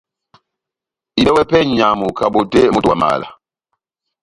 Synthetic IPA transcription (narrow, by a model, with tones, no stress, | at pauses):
i˨ɗɛ˦wɛ˦pɛ˦ɲa˨mu˨ka˨ɓo˨de˦mo˦twa̰˨ma̰ː˨la̰˨